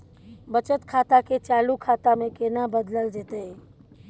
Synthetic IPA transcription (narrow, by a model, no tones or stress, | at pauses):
bət͡ʃət̪kʰaːt̪aket͡ʃaːlukʰaːt̪amẽkeːnabəd̪ləld͡ʒeːt̪eɦɛ̃ː